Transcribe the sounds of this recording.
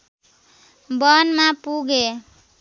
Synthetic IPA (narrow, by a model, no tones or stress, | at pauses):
bʌnmapuɡe